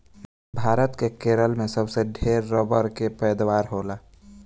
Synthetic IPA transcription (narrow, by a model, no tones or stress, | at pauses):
bʱaːɾət̪kekeːɾəlmẽsəbseɖʱeːɾːəbəɾkepɛjd̪waːɾɦoːlaː